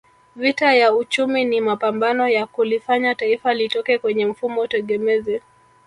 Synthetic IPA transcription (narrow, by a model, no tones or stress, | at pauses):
vitajaut͡ʃuminimapambanɔjakulifaɲataifalitɔkɛkwɛɲɛm̩fumɔutɛɠɛmɛzɛ